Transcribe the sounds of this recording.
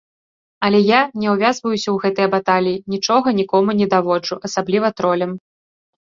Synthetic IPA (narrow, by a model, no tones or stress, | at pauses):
ɐlʲɛjanʲɛwvʲazvɐjusʲɐwɣɛt̪ɨjɐbat̪alʲijinʲit͡ʂɔɣɐnʲikɔmunʲɛd̪avɔd͡ʐuʔɐsablʲivɐt̪ɾɔlʲɐm